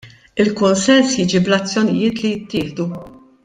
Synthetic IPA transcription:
ɪlkʊnsɛnsjiːd͡ʒiblɐt͡sːjɔnɪ̰jɪːt̪lijɪt̪ːɪːħd̪u

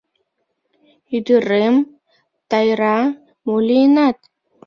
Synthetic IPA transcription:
yd̪əɾem | t̪ɑjɾɑ | molinɑt̪

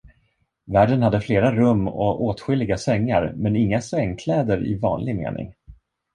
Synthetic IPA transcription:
væːɖənhad̪ːəfleːɾaɾɵmːɔ̰oːt̪ɧɪlːɪɡasɛŋːaɾmɛnɪŋːasɛŋːkʰlɛːd̪əɾɪ̰vɑ̰ːnlɪɡmḛːnʔɪ̰ŋ

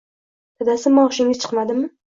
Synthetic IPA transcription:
t̪ʰɪd̪asɪmːaʊʃɪŋɪt͡ʃʰɨ̥qmad̪ɪmɪ

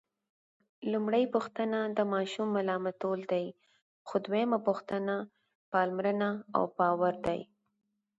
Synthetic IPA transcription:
lumɽəjpʊxt̪ənad̪əmɑʃumːalɑmat̪old̪aj | xod̪wmapʊxt̪əna | pɑlmɾənaa̰wpɑwaɾd̪a̰j

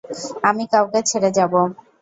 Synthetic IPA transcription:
amikawket͡ɕʰeɽed͡ʑabo

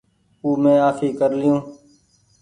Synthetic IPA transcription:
uːmẽːaːfʰiːkəɾlɪjõː

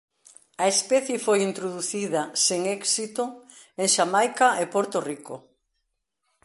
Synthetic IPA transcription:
ɐespɛθjefojint̪ɾoðuθiðɐseŋɛksit̪o | eŋʃamajkaʔepoɾt̪oriko

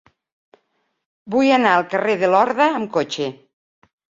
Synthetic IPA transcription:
bujanaəlˠkəreðəlɔɾðəːmkot͡ʃe

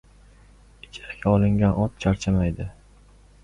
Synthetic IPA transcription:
ɪt͡ʃʰɪ̥ɾkʲʰaɒlˠɪŋɡʲanʔɒt̪̚t͡ʃʰaɾt͡ʃʰamajd̪ɪ

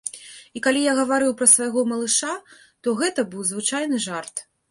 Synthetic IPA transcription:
ikalʲijaɣɐvaɾɨwpɾɐsvɐjɣɔmɐlˠɨʂa | t̪ɔɣɛt̪ɐbɨwzvɨt͡ʂajnɨʐart̪

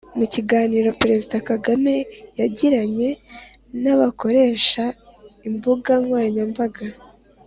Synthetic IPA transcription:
muciɡaːniːɾopɾe̞zidakaɡame̞jaɟiɾaɲe̞naβako̞ɾe̞ːʃaimbuɡaŋɡoɾaɲambaɡa

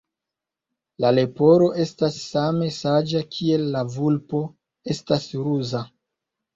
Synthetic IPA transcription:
lale̞po̞ɾo̞ʔe̞stasːame̞sad͡ʒakʰie̞lːavulpo̞ | e̞stasɾuza

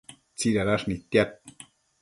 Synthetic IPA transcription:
t͡siɾaɾaʂnit̪ːjat̪̚

